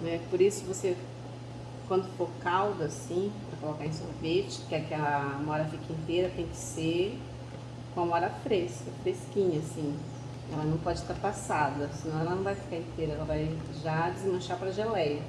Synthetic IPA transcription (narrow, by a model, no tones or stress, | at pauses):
nɛpoɾisʊkɪvose | kwɐ̃nd̪ʊfoɾkawd̪ɐsĩpɾɐkolokaɾẽj̃soɾvet͡ʃɪ̥kɪɛkɛɐ̃mɐɔɾɐfikɐĩnt̪eɾɐt̪ẽj̃kɪ̥seɾ | kõmɔɾɐfɾeskɐfɾeskĩɲɐasĩ | ɛlɐnɐ̃w̃pɔd͡ʒɪst̪aɾpasad̪ɐsɪnɐ̃w̃ɛlɐnɐ̃w̃vajfi̥kaɾẽnt̪ejɾɐɛlɐvaj | ʒad͡ʒɪzmɐ̃ʃapɾɐʒelɛjɐ